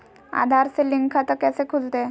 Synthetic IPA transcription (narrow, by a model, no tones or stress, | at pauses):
a̰d̪ʱaɾseliŋɡkʰat̪əkasekʰult̪e